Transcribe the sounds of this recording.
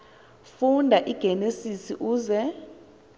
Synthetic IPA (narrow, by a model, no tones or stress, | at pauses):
fundʱaʔiɡ̥ʱenesisiʔuːzɛ